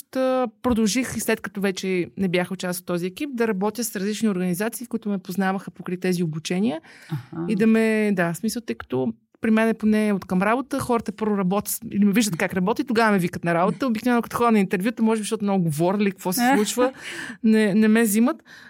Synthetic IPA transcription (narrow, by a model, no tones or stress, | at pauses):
t̪əpɾod̪ɐlˠʒixislɛt̪kɐt̪ɔvɛt͡ʃɛnɛbjaxʊt͡ʃasot̪ːɔziɛkip̚d̪ɐɾɐbɔt̪jəsɾɐzlit͡ʃnioɾɡənizat̪siːkʊit̪ʊmɛpoznavəxəpokɾit̪ɛziobut͡ʃɛniəid̪ɐmɛd̪asmisəlˠt̪ɤjkə̥t̪ɔ | pɾimɛnɛponɛot̪kɐmɾabot̪əxɔɾət̪əpɤɾvʊɾɐbɔt̪ʲə̥t̪ḭlimɛviʒd̪ət̪̚kakɾɐbɔt̪it̪oɡavəmɛvikət̪nɐɾabot̪əobiknovɛnʊkɐt̪o̥xɔd̪ənɐint̪ɛɾvʲjut̪əmɔʒɛbiʃt̪ɔt̪ʊmnɔɡɡovɔɾlikɐkvɔsɛsˠut͡ʃvənɛnɛmɛzimət̪